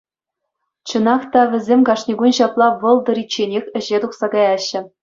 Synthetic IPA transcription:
t͡ɕɤ̆nɑχt̪ɑʋʲɘ̆zʲemʲkɑʂnʲiɡunɕɑplˠɑʋɤ̆lˠd̪ɤ̆ɾit͡ɕːenʲexʲɘ̆ʑet̪uχsɑɡɑjɑɕːɘ̆

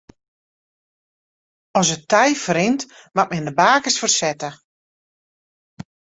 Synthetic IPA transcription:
ɔsətɛjfɾɪnt | mat̚mɛndəbaːkəsfərsɛtə

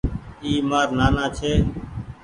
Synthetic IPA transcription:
iːmaːɾnaːnaːt͡ʃʰeː

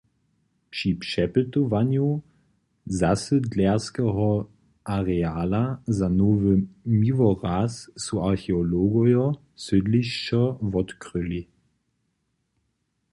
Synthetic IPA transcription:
pʂipʂɛpətovanju | zasədlɛɐskɛɦɔ | ʔaʁɛaːlazanoːvəmivɔʁaːsːuaʁxeoloɡɔjɔ | sʏdliɕt͡ʃɐvɔtkʁʏli

